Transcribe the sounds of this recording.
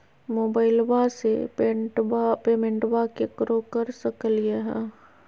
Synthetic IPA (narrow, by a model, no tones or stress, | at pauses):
moːbaːɪlbasepeʈapeːmẽɳʈwakekɾokɐɾsɐkəlijeɦɛ̃ː